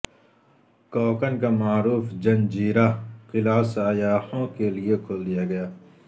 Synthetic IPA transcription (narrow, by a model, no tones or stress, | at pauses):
kɔːkənkamaːɾuːfd͡ʒɐ̃nd͡ʒiːɾaqɪlaːsaːjaːhõkeliekʰoːld̪ijaɡɐjaː